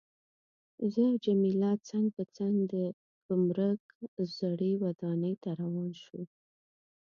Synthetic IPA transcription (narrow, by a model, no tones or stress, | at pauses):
zəawd͡ʒamilɑt͡saŋɡpət͡saŋɡd̪ə | ɡʊmɾək | zaɽiwad̪ɑnəjt̪aɾawɑnʃum